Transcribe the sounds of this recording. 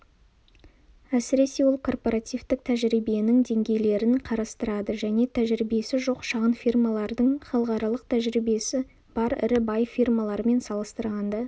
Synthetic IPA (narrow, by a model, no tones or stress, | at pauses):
æsɪɾe̞se̞wo̞lˠkʰo̞rpo̞ɾɑt̪ijvt̪ɪk̚t̪ʰæʒɾijbienɪŋd̪e̞ŋɡʲe̞jle̞ɾɪnqʰɑɾɑst̪əɾɑd̪əʒæne̞t̪ʰæʒɾibesɪʒo̞qʃɑʁənfirmɑlˠɑɾd̪əɴχɑlˠəqɑɾɑlˠəq̚t̪ʰæʒɾijbe̞sɪ | b̥ɑɾɪ̰ɾɪbɑjfirmɑlˠɑɾəme̞nsɑlˠəst̪əɾʁɑnd̪ɑ